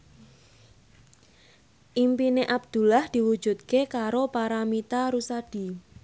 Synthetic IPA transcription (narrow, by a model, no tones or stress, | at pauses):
ʔimpineʔab̚d̪̥ṳlahd̪̥i̤wud̥d͡ʒ̥ṳt̪̚kekaɾopaɾamit̪aɾusad̥i̤